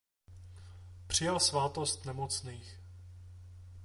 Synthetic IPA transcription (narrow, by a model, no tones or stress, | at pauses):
pr̝̥ɪjalsvaːt̪ost̪nɛmot͡sniːx